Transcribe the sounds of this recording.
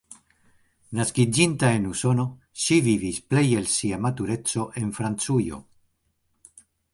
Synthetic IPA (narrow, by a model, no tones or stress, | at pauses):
naskid͡ʒintae̞nuso̞no̞ | ʃivivisple̞je̞lsiamatuɾe̞t͡so̞ʔe̞nfɾant͡sujo̞̰